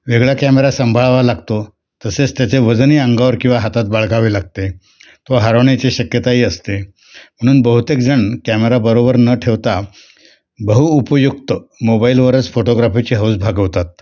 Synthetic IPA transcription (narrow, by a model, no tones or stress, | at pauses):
ʋeɡɭjakæmeɾasəmbʱaɭʋalaɡt̪o | t̪əset͡st̪jat͡seʋəd͡zniːəŋɡaʋəɾkĩw̃ʋaɦat̪at̪̚baɭɡaʋiːlaɡ̚t̪e | t̪oɦaɾoɳit͡ɕiɕəkjət̪aɦiːəst̪e | m̤əɽ̃uːnbəɦut̪ek̚d͡zəɳkæmeɾabəɾobəɾnəʈʰeʋt̪a | bəɦuːpəjuk̚t̪əmobailʋəɾət͡sfoʈoɡɾafit͡ɕiɦəwsbʱaɡəʋt̪at̪̚